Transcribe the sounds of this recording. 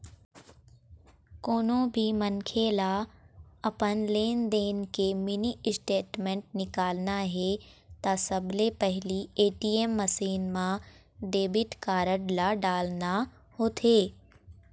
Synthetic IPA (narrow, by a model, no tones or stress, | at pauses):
koːnõbʱimɐnkʰela | ɐpənleːnd̪eːnkemɪniɪsʈeːʈmẽɳʈ̚nɪkaːlnaɦɛ | t̪asɐblepɛɦlieːʈiːemːəsiːnmã | ɖeːbɪʈkaːɾəɖlaɖaːlna | hoːt̪ʰeː